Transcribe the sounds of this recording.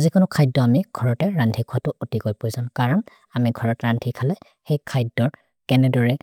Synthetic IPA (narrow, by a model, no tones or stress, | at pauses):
zikʊnʊkʰajdːɔamiɡ̥ʱɔɹɔtɛɹantʰikʰʊwatʊʔutikojpojzãw̃kaɹɔn | amiɡʱɔɹɔtɛɹantʰikʰalɛ | xejkʰajdːɔɹ | kɛnɛdɔɹɛ